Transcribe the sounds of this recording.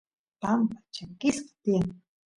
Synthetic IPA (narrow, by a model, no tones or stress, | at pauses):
pampḁt͡ʃakɪskḁt̪ijaŋ